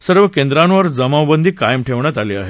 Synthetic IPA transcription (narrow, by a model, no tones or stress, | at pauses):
səɾʋəkend̪ɾanʋəɾd͡zəmawbənd̪ʱiːkajəmʈʰeʋɳjat̪aliːa̰ɦe